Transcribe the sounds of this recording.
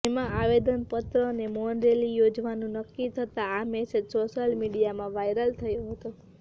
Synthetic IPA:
emãaʋed̪ənpət̪ɾənemoɳɾelijod͡ʒʋanũnəkːit̪ʰət̪aamɛsed͡ʒsoʃəlmiɽijamãʋajɾəlt̪ʰəjõɦət̪o

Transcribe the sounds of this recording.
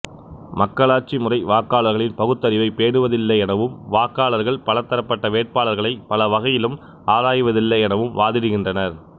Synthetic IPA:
mɐkːɐɭaːɾt͡ʃːimɯrɐɪʋaːkːaːɭɐɾɣɐɭɪnpɐɣɯt̪ːɐɾɪʋɐɪpeːɳɯʋɐðɪlːɐɪɛnɐʋɯmʋaːkːaːlɐɾɣɐɭpɐlɐt̪ːɐɾɐpːɐʈːɐʋeːʈ̚paːlɐɾɣɐɭɐɪpɐlɐʋɐɣɐjɪlɯm | aːðaːjɯʋɐðɪlːɐɪɛnɐʋɯmʋaːðɪɾɯɣɪndrɐnɐɾ

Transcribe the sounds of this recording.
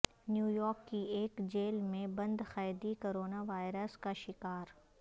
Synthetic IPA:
njuːjɔːɾkːieːkd͡ʒeːlmẽbɐ̃nd̪xaːjd̪ikoːɾoːnaʋaːɪɾəskaʃɪkaːɾ

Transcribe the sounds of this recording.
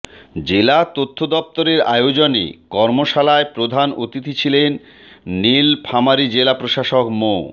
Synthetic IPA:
d͡ʑelat̪ot̪ʰːod̪ɔp̚t̪oɾeɾa̰eod͡ʑonḛkɔɾmoʃalaepɾod̪ʱanot̪it̪ʰit͡ɕʰilenː | ilpʰamaɾid͡ʑelapɾoʃaʃokmo

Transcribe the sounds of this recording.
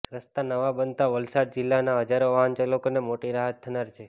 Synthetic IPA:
ɾəst̪anəʋabənt̪aʋəlsaɽd͡ʒilːanaɦəd͡ʒaɾoʋaɦənt͡ʃalokonemoʈiɾaɦət̪ʰːənaɾt͡ʃʰe

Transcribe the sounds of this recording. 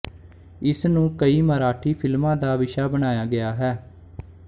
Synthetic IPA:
ɪsnũːkəiːməɾaːʈʰiːpʰɪlmãːd̪aːʋɪʃaːbəɽ̃aːjaːɡɪaːɦɛː

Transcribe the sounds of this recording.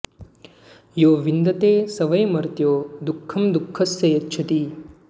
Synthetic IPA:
joːʋind̪ɐt̪eːsɐʋɐjmɐɾt̪joːd̪ukʰːɐmd̪ukʰːɐsjɐjɐt̪ːʃʰɐt̪i

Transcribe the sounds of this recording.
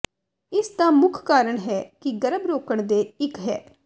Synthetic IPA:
ɪst̪ãːmʊkʰkaːɾəɳɦɛːkɪɡəɾəbɾoːkəɳd̪eːɪkɦɛ̰ː

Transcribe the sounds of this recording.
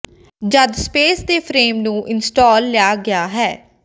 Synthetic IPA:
d͡ʒəd̪speːsd̪eːpʰɾeːmnũːʔɪnsʈɔːlːɪjaːɡɪaːɦɛː

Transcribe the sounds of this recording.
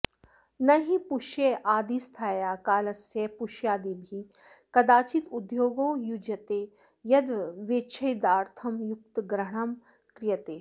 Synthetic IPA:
nɐɦipuʃjeʔaːd̪ist̪ʰaːjaːkaːlɐsjepʊʃjaːd̪ibʱi | kɐd̪aːt͡ʃit̪ʊd̪joːɡoːjud͡ʒɐt̪eː | jɐd̪ʋʋeːt͡ʃʰɐjd̪aːɾt̪ʰɐmjʊk̚t̪ɡɾɐɳɐm | kɾɪjɐt̪eː

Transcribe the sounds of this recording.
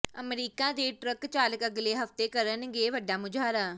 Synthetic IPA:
əmɾiːkãːd̪eːʈɾəkt͡ʃaːləkəɡleːɦəft̪eːkəɾənɡeːʋəɖaːmʊd͡ʒaːɾaː

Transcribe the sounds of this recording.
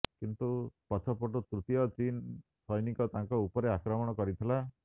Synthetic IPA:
kint̪upɔt͡ʃʰɔpɔʈut̪ɾut̪ijɔt͡ʃinsɔjnikɔt̪aŋkɔupɔɾeakɾɔmɔɽ̃ɔkɔɾit̪ʰila

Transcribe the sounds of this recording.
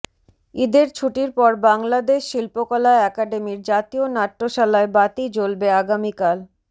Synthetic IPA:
id̪eɾt͡ɕʰuʈiɾpɔɾbaŋlad̪eʃːilpokɔlaeɛkaɖemiɾd͡ʑat̪ionaʈːoʃalaebat̪id͡ʑolbeaɡamikal

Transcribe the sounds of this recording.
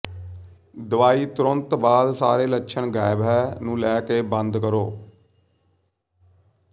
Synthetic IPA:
d̪əʋaːiːt̪ɾənt̪baːd̪saːɾeːləkːʃʰəɳɡaːɪbɛːnũːlɛːkeːbənd̪kəɾoː

